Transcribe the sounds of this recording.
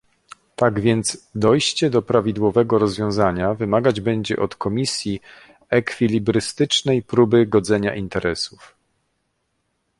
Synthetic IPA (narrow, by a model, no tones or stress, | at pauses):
t̪aɡvʲjɛnt̪zd̪ɔjɕt͡ɕɛd̪ɔpɾavʲid̪wɔvɛɡɔɾɔzvʲjɔ̃w̃zaɲavɘmaɡad͡ʑbɛɲd͡ʑɛ̰ʔɔt̪kɔmʲisʲji | ɛkfʲilʲibɾɘst̪ɘt͡ʂnɛjpɾubɘɡɔd̪zɛɲa̰ʔint̪ɛɾɛsuf